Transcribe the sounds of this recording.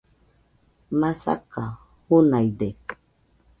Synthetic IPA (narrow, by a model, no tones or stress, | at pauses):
masa̰ka | hunaidɛ